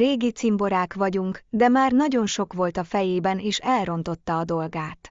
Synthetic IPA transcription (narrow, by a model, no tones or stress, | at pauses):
ɾeːɡit̪simbo̞ɾaːkʋɒɟuŋkd̪ɛmaːrnɒɟo̞nʃo̞kʋo̞lt̪ɒfɛjeːbɛneːʃɛlro̞nt̪o̞t̪ːɒːd̪o̞lɡaːt̪